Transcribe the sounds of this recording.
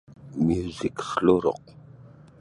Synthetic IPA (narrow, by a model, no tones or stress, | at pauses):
mjuziksɬoɾo̰q̚